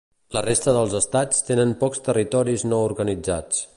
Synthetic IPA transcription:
lərest̪əðəlˠzəst̪at͡st̪enənpɔkst̪ərit̪ɔɾiznouɾɣənid͡za̰t͡s

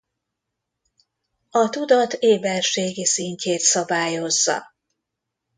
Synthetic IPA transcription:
ɒt̪ud̪ɒt̪eːbɛrʃeːɡisiɲcʰeːt̪sɒbaːjo̞zːɒ̰

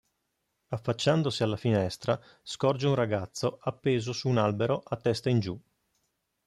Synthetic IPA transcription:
afːat͡ʃːand̪osialːafinɛst̪ɾa | skɔrd͡ʒeunraɡat̪sːoapːeːzosuːnalbeɾoʔat̪ːɛst̪aind͡ʒu

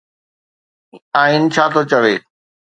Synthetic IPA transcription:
aːɦinɪ̆t͡ɕʰaːt̪ʰot͡ɕɐʋeː

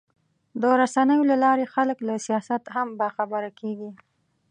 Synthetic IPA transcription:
d̪əɾasanəjolalɑɾexaləklasijɑsat̪hambɑxabəɾakʰeɡi

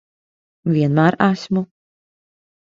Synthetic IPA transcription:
vʲiɛnmaːɾasmu

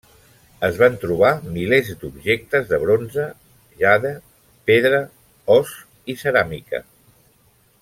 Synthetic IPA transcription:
əzβant̪ɾuβ̞amilezd̪ubʒek̚t̪əzðəβ̞ɾonzə | ʒaðə | peðɾə | ɔs | isəɾamikə̰

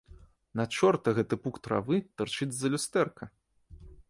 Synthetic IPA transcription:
nɐt͡ʂɔrt̪ɐɣɛt̪ɨpukt̪ɾa̰vɨt̪ɨrt͡ʂɨd͡zʲzɐlʲust̪ɛrkɐ

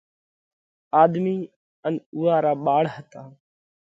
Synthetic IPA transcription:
aːd̪miː | ənuːaːɾaːɓaːɽhət̪aː

